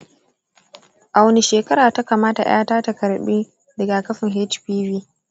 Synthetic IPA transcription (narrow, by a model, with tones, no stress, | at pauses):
ʔa˨wni˨ʃeː˨kɐ˦ɾaː˨ta˦kaː˨maː˦ta̰˨j̰aː˦taː˦ta˨kɐ˨ɾɓi˦ | dɐ˨ɡa˨kɐ˦ɸɪ˨ŋɦɛ˦t͡ʃɸiː˦biː˦